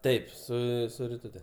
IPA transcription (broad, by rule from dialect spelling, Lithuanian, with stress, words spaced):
ˈtɐɪp ˈsʊ sʊ rʲɪˈtʊtʲɛ